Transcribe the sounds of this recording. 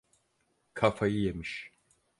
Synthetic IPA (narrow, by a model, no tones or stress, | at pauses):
kʰafajɯjemiʃ